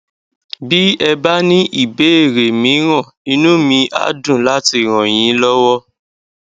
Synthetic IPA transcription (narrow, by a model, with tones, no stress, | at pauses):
bi˦ɛ˧ba˦nĩ˦ʔi˦˨be˨˦e˦˨ɾe˨mĩ˨˦ɾ̃ã˦˨ | i˧nũ˦mĩ˧ʔa̰˨˦dũ˦˨la˦ti˧˨ɾ̃ɔ̃˨j̃ĩ˨˦lɔ˦wɔ˦